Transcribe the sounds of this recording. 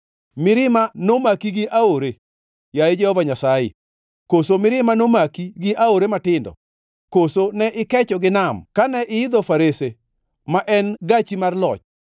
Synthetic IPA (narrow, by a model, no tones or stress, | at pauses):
mɪɾɪmanomakiɡɪʔaoɾe | jaed͡ʒɛhɔvaɲasajḛ | kosomɪɾɪmanomakiɡɪʔaoɾematɪndɔ̰ | kosonɛʔɪkɛt͡ʃɔɡɪnamkanɛʔɪɪd̪ɔfaɾese | maʔɛnɡat͡ʃimarlɔt͡ʃ